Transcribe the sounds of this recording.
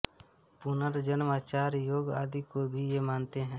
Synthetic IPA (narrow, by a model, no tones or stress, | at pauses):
pʊnəɾd͡ʒənmaːt͡ʃaːɾjoːɡa̰ːd̪ikobʱijemaːnt̪eɦɛ̃ː